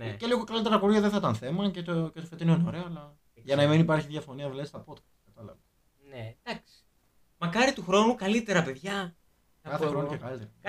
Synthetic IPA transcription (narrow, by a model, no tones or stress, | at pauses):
nceliɣo̞kɐlit̪eɾɐpoɾʝɐðeθɐt̪ɐnθe̞mɐcet̪ocet̪ofet̪inoineo̞ɾe̞oːlɐ | ʝɐnɐimenipɐɾçiðʝɐfo̞niɐvlest̪ɐpo̞t̪kɐ̥st̪kɐt̪ɐlɐ̰vɐ | ned̪̥ɐksi̥ | mɐkɐɾit̪uxɾo̞nukɐlit̪e̞ɾɐpe̞ðʝɐ | kɐθexɾonuekɐlit̪eɾɐ